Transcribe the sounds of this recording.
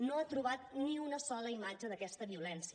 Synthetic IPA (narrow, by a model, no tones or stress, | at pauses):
noat̪ɾuβ̞at̪̚niunəsɔləimad͡ʒəðəkɛst̪əβiulɛnsiə